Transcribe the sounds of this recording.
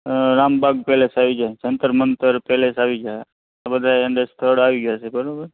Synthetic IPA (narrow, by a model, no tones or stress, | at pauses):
ɾaːmbaɡpɛlesaʋid͡ʒaet͡ʃənt̪ɾmənt̪əɾpɛlesaʋid͡ʒa | abəd̪ʱaeɳɖest̪ʰəɽaʋiɡjasʰebəɾabəɾ